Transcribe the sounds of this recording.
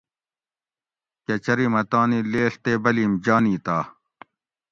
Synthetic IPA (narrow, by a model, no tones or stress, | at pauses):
kɐt͡ɕɐɾimɐt̪aːnileːɬt̪eːbɐliːmd͡ʑaːniːt̪aː